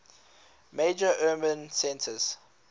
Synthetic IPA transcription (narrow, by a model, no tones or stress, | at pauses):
meɪd͡ʒəʔɜːbə̃nsɛ̃ntʰəz̥